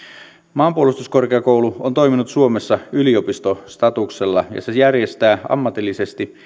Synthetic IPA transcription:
mɑːmpuolust̪usko̞rkeɑkouluont̪o̞iminut̪suo̞mesːɑyliopist̪ost̪ɑt̪ukse̞lːɑ̰jɑ̰sejærje̞st̪æːɑ̰mːɑt̪ilːise̞st̪i

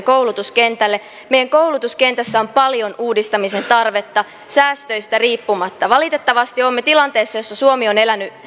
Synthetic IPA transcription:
kowlut̪uske̞nt̪ælːe̞ | mejæŋko̞wlut̪uske̞nt̪æsːæompɑljo̞nuːdist̪ɑmise̞nt̪ɑrʋe̞t̪ːɑ | sæːst̪ø̞jst̪æriːpːumɑt̪ːɑʋɑlit̪e̞t̪ːɑʋɑst̪iomːet̪ilɑnt̪e̞ːsːɑjosːɑsuomio̞ne̞læny

